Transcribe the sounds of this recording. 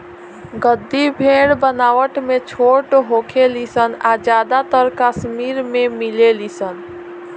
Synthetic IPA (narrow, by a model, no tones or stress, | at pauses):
ɡəd̪ːibʱeɽbənaːwəʈmet͡ʃʰoːʈɦokʰelisənad͡ʒaːd̪at̪əɾkasmiːɾmẽmilelisən